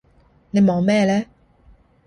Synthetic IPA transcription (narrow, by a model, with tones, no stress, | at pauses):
le˨mɔ̃˨mɛ˥˨lɛ˦